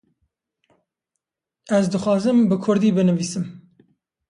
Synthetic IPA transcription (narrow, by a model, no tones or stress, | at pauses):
æzd̪ɨxʷwɑːzɨmbɨkʰʊɾd̪iːbɨnɨviːsɨm